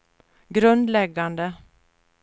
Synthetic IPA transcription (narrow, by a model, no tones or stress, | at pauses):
ɡɾʉnd̪lɛɡand̪ə